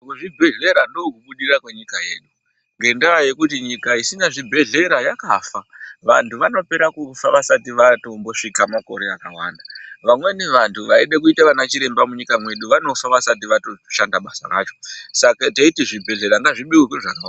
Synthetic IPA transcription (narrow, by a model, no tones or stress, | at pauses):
uʐibʱe̞ɮe̞ɾandokuɓuɗirakwe̞ɲikaje̞̰ːɗu | ŋɡe̞ndaaje̞kutiɲikaisinaʐibʱe̞ɮe̞ɾajakafaʋa̰ntʰuʋano̞pe̞ɾakufaʋasatiʋato̞mbo̞ʂikamako̞̰ɾe̞akawa̰ndaʋamwe̞neʋantʰuʋaeɗekuitaʋanat͡ʃiɾe̞mbamuɲikamwe̞ɗuʋano̞faʋasatiʋato̞ʃandaɓasa̰ra̰ːt͡ʃo̥sakateitiʐibʱe̞ɮe̞ɾaŋɡaʐiɓiwekweʐaka